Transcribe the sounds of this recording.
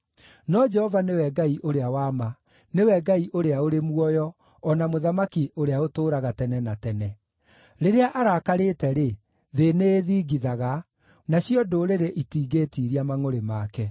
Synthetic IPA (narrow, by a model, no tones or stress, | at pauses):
nɔd͡ʒɛhɔvanewɛɡaiʔoɾeawaːma | newɛɡaiʔoɾeaoɾemwɔjɔ | ɔnamoðamakiʔoɾeaotoːɾaɣatɛnɛnatɛnɛ | ɾeɾeaʔaɾaːkaɾetɛɾe | ðeneːðiːɡiðaɣa | naɕiɔdoɾeɾeʔitiːɡetiːɾiamaŋoɾemakɛ